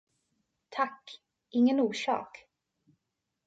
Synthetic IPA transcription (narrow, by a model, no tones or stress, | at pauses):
t̪ʰakː | ʔɪŋːənuːʂɑ̰ːk